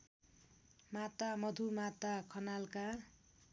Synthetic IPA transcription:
mat̪amʌd̪ʱumat̪akʰʌnalka

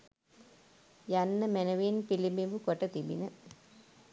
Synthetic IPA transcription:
jɐnːɐmenɐʋinpilimimbukoʈːɐt̪ibḭnɐ

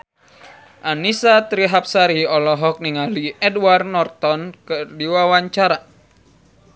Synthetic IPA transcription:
ʔanisat̪ɾiɦap̚saɾiɔlɔɦɔk̚niŋaliɛdwarnɔrt̪ɔnkɨrdiwawaɲt͡ʃaɾa

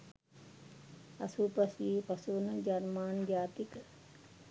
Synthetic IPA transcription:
ɐsupɐsjeːpɐsuːnɐd͡ʒɐɾmaːnd͡ʒaːt̪ik

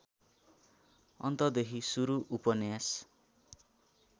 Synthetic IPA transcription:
ʌ̰nt̪ʌd̪ekʰisuɾuʔupʌnjas

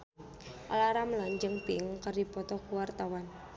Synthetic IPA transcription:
ʔalaɾaməlaɲd͡ʒəŋpiŋkərdipɔt̪ɔkuwart̪awan

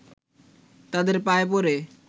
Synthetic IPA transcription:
t̪ad̪eɾpaepoɾe

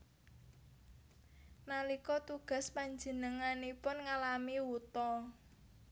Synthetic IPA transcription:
nalikɔt̪uɡ̥a̤spaɲd͡ʒə̤nəŋanipʊnŋalamiwut̪ɔ

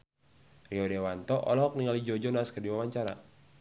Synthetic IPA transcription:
riɔdewant̪ɔʔɔ̰lɔɦɔk̚niŋalid͡ʒɔd͡ʒɔnaskədiwawaɲt͡ʃaɾa̰

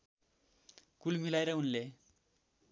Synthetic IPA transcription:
kulmilaeɾʌunle

